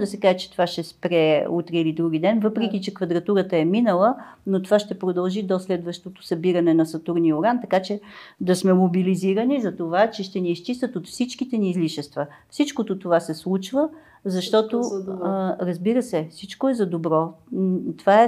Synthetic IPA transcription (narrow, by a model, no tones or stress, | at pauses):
d̪ɐsɛkaʒɛt͡ʃɛ̥t̪ovaʃɛspɾɛut̪ɾiilid̪ɾuɡ̟id̪ɛnvɤpɾɛk̟it͡ʃɛkvɐd̪ɾɐt̪uɾət̪əɛminəlˠənot̪ovaʃt̪ɛpɾod̪ɐlˠʒid̪oslɛd̪vəʃt̪ot̪o̥sɐbiɾɐnɛnɐsɐt̪uɾnioɡant̪ɐkat͡ʃɛd̪ɐsmɛmobiliziɾənizɐt̪ovat͡ʃɛʃt̪ɛniːst͡ʃist̪ət̪ot̪fsit͡ʃkit̪ɛniːzliʃɛst̪və | fsit͡ʃkot̪ot̪ovasɛslˠut͡ʃvə | zɐʃt̪ɔt̪o | ɾəzbiɾəsɛfsit͡ʃkoɛzɐd̪obɾɔt̪ovaɛ